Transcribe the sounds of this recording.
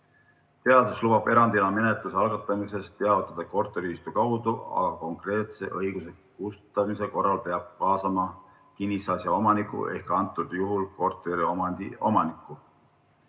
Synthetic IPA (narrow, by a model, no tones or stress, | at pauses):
t̪e̞ɑd̪uslub̥ɑbe̞ɾɑnd̪ilɑme̞net̪ˑluseɑlɡɑt̪ˑːɑmise̞st̪te̞ɑvit̪ːˑɑd̪̥ɑko̞rt̪ˑeɾiist̪ukɑwd̪uɑ̰ɡ̥ɑko̞ŋkre̞ːt̪se̞ʔɤjɡ̥use̞kust̪ɑmise̞ko̞rːɑlpe̞ɑb̥̚kɑːsɑmɑ | kinʲːisɑsjɑo̞mɑnikːˑṵʔe̞̰hkɑnt̪ːˑud̪̥juɦulko̞rt̪ˑeɾiomɑnd̪̥io̞mɑnikːˑu